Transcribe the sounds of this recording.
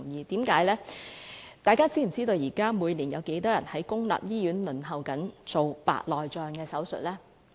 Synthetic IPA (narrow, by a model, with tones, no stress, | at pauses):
ŋjiː˨˧t̪iː˨˥mkaː˨˥jlɛː˥ | t̪aː˨jkaː˥t͡siː˥m̩˨˩t͡siː˥t̪o˧wjiː˨˩kaː˥mu˨˧jliː˨˩njɐ˨˧wke˨˥jt̪ɔː˥jɐ̰˨˩nhɐ˨˥jkʊ˥ŋla̰ː˨p̚jiː˥jyː˨˥nlɵ˨˩nɦɐ˨˩wkɐ˨˥nt͡so˨wpa̰ː˨t̚lɔː˨jt͡ʃœː˨ŋkɛː˧sɐ˨˥wsɵ̰˨t̚lɛː˥